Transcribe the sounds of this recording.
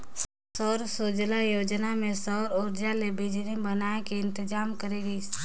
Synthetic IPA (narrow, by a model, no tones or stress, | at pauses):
sɔːɾsod͡ʒlajoːd͡ʒnamẽsɔːɾoːɾd͡ʒalebɪd͡ʒɾibənaekeɪ̃nt̪ɪd͡ʒaːmkəɾeɡəis